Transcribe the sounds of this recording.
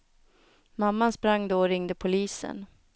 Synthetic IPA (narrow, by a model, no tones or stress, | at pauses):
mamːanspɾaŋːd̪oɔɾɪŋd̪əpʰʊliːsə̰n